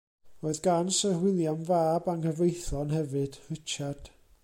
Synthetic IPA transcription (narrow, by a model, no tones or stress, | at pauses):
roɨðɡansəhwɪlˠjanvaːbaŋəvrejθɔnhɛvɨd̥r̥ɪt͡ʃʰad̥